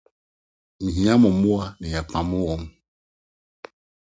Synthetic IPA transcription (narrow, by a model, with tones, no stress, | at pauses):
mĩ˨ɦĩ˨˦ã˦mɔ̃˨mũ˦a˦nɛ˨ja˨k͡pã˨mõ˦wɔ˦m